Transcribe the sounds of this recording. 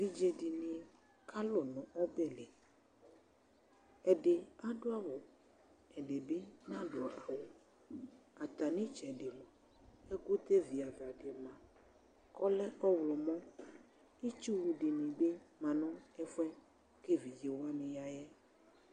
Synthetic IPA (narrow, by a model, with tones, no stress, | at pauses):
vi˦d͡ʒe˨ɖi˨nĩ˨ | kʰa˦lo˨nɔ̃˨ʔɔ˦bɛ˦˨le˨ | ɛ˨ɖe˨a˦ɖo˦a˦wo˨ | ɛ˨ɖe˨be˦nã˦do˨a˨wo˨ | a˨t̪a˨nĩ˦t͡ʃɛ˨ɖe˨mɔ̃˨ | e˦ɡu˦t̪e˦vi˨a˨va˨ɖe˨mã˨ | kɔ˦lɛ˦ʔɔ˦wlɔ˨mɔ̃˦ | i˦t͡ʃu˦wu˨ɖi˨nĩ˨be˦mã˨nɔ̃˦ɛ˦fɛ˦ | ke˦vi˨d͡ʒe˨wa˦mĩ˨ja˨jɛ˦